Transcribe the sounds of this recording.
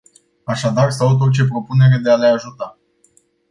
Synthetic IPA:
aʃad̪arsaut̪̬ot͡ʃe̞pɾo̞pune̞ɾe̞d̪e̞ale̞aʒut̪a

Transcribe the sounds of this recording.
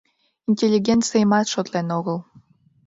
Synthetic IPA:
inʲtʲelʲːiɡʲent̪t͡sɨjmɑt̪ʃot̪lenoɣəlˠ

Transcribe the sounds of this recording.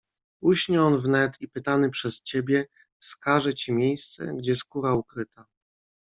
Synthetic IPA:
uɕɲɛɔnvnɛt̪ipɘt̪anɘpʂɛst͡ɕebʲjɛ | skaʐɛt͡ɕimʲjejst̪sɛ̰ɡd͡ʑɛskuɾaukɾɘt̪a

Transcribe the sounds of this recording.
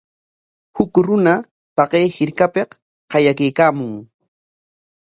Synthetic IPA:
hʊkɾʊna | t̪ɑqejhɪɾkapeq | qɑjakejkaːmʊŋ

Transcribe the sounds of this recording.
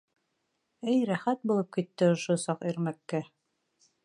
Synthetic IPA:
ɘjɾæχæt̪̚bulˠɤp̚kit̪ːɘŏʃosɑqiɾmækːæ

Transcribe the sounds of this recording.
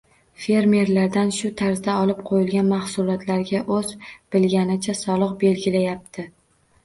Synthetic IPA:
fe̞ɾme̞ɾlaɾd̪anʃʊt̪ʰaɾzd̪aɒlɪp̚qʰojɪlɡʲanmaχsʊlˠɒt̪laɾɡʲaʔɵzb̥ɪlɡʲanɪt͡ʃʰasɒlˠɨqbe̞lɡʲɪlajap̚t̪ʰɪ

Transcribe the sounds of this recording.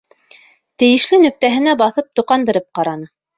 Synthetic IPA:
t̪ɘ̆jɘ̆ʃlɘnɵ̆k̚t̪æɦɘ̆næbɑθɤp̚t̪uqɑnd̪ɤ̆ɾɤp̚qɑɾɑnɤ

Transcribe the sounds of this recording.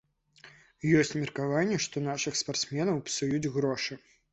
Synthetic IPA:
jɔsʲt͡sʲmʲɛrkavanʲːɛʂt̪ɔnaʂɨxspart̪smʲɛnɐwpsujud͡zʲɣɾɔʂɨ

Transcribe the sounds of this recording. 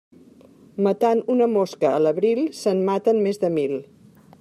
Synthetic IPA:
mət̪anunəmoskəːləβɾilˠsənmat̪ənmezðəmilˠ

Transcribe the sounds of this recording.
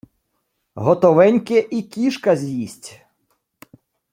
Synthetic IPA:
ɦɔt̪ɔʋɛnʲkɪʔikʲiʃkɐzʲjisʲtʲ

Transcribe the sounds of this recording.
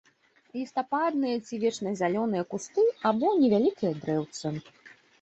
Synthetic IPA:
lʲist̪apad̪nɨjɐt͡sʲivʲɛt͡ʂnɐzʲalʲɔnɨjɐkust̪ɨabɔnʲɛvʲalʲikijɐd̪ɾɛwt̪sɨ

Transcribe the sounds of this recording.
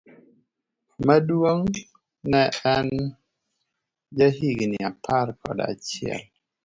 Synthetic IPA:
madwoŋ | nɛɛn | d͡ʒaɦiɡnɪapʰaɾkʰɔ̰da̰t͡ʃɪɛ̰l

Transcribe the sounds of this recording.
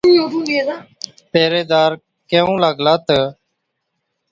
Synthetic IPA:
ũːjoːt̪ũːd̪iːeːzaː | peːɾeːd̪aːɾ | kẽːũːlaːɡlaːt̪əː

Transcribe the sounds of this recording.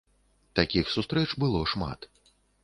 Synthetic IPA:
t̪akʲixsust̪ɾɛt͡ʂbɨlˠɔʂma̰t̪

